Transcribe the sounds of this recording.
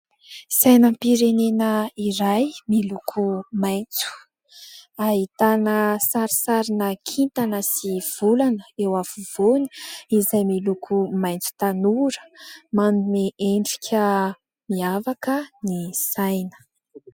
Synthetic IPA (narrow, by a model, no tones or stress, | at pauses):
sajnəmpiɾenenəiɾajmilukʰumajnt͡su̥ | aɦit̪anəsaɾisaɾinəkʰint̪anəsiv̥ulanəewavuvoni̥izajmilukʰumajnt͡su̥t̪anuɾə̥manumeʔeɳɖ͡ʐi̥kʰʲə | miavakənisajnə̥